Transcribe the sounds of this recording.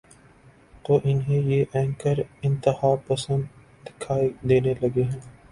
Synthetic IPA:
t̪oːʔɪnɦẽjeːʔɛ̃ːŋkəɾɪ̃nt̪ɪhaːpəsə̃nd̪ | d̪ɪkʰaːid̪eːnelɐɡeɦɛ̃ː

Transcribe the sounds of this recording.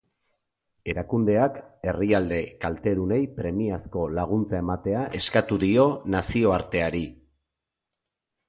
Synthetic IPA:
e̞ɾakund̪e̞ake̞riald̪e̞kalt̪e̞ɾune̞jpɾe̞miasko̞laɣ̞unt͡sae̞mat̪e̞aʔe̞skat̪uðio̞nasio̞aɾt̪e̞aɾi

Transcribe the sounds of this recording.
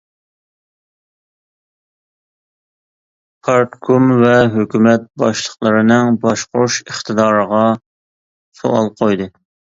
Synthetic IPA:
pʰɑɾt̪kʰumvɛɦøkʲymɛt̪̚bɑʃlˠəχlˠəɾɨnɨŋbɑʃqoʃəχt̪ɨd̪ɑːɾəʁɑ | so̰ɑ̰lˠqʰojd̪ɨ

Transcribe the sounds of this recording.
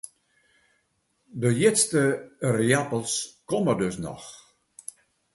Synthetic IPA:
dəjɪtstəriapəlˠskɔmərdɵsnɔ̰x

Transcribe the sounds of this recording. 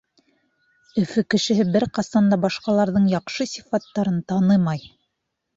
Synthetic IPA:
ɵ̆fɵkɘ̆ʃɘ̆ɦɘbɘɾqɑsɑnd̪ɑbɑʃqɑlˠɑɾðɤɴjɑqʃɤsʲi̥fɑt̪ːɑɾɤnt̪ɑnɤmɑj

